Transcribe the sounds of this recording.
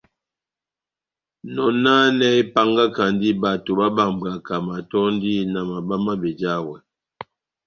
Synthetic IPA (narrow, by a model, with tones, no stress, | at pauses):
nɔ˨na˦nɛ˦i˦pa˦ŋɡa˦ka˨n˦di˦ba˨to˨ba˦ba˨m˨ba˨ka˨ma˨tɔ˦n˦di˦na˨ma˨ba˦ma˦be˨d͡ʒa˦wɛ˨